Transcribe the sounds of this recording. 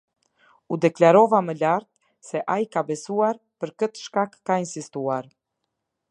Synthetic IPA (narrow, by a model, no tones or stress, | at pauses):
ud̪ɛklaɾɔvaməlaɾt̪̚ | sɛʔajikabɛsuaɾ | pəɾkət̪ʃkakːainsist̪uaɾ